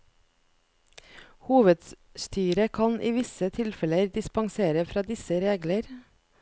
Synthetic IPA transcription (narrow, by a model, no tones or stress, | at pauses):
huːʋəd̪ | st̪ʰyːɾəkʰɑnʔiːʋɪsət̪ʰɪlfɛləɾd̪ɪspɑŋseːɾəfɾɑːd̪ɪsəɾeːɡləɾ